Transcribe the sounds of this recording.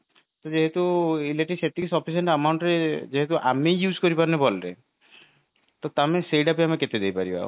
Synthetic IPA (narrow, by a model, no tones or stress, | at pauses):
t̪od͡ʒeɦet̪uileʈeset̪iksɔpʰiseɳʈəmawɳʈɾed͡ʒeɦet̪uʔamejjud͡ʒkɔɾipaɾnebɔlɾe | t̪ot̪amesejɖapiameket̪ed̪ejpaɾiba̰